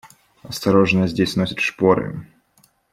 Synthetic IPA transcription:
ɐst̪ɐɾoʐnəjəzʲdʲesʲnosʲət̪ʂpoɾɨ̰

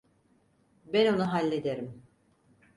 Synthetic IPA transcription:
bɛno̞nuɦalʲːed̪eɾim

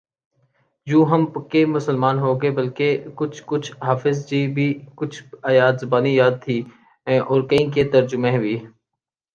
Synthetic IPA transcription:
d͡ʒũːɦəmkemʊsəlmaːnɦoːɡeːbəlkekʊt͡ʃʰkʊt͡ʃʰɦaːfɪzd͡ʒiːbʱiːkʊt͡ʃʰaːjaːd̪zɐbaːnijaːd̪̚t̪ʰĩː | ʔɔːɾkəĩːket̪əɾd͡ʒʊmẽːbʱiː

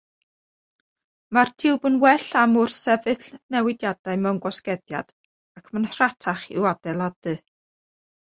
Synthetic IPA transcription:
martʰɪwbənwɛɬamʊrsɛvɨθnɛwɪdjadaɨmɛwnɡɔskɛðja̰d̥ | akʰmənratʰaχɪ̰wadɛlˠad̥ɨ

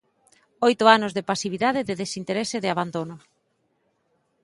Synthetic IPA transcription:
ojt̪ʊanʊzðepasiβiðað̞ɪðeðesint̪eɾesɪðɪaβand̪onʊ

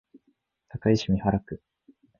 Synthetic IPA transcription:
t̪ʰakaiɕimʲihaɾakɯ̟

